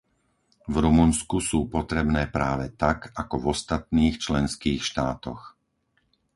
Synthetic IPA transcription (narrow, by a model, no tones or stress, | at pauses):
vɾumunskusuːpɔt̪ɾɛbnɛːpɾaːʋɛt̪akakɔvɔst̪at̪̚niːxt͡ʃlɛnskiːxʃt̪aːt̪ɔ̰x